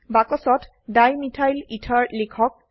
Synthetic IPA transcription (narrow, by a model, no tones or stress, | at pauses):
bakɔsɔt | dajmitʰajlitʰaɹlekʰɔk̚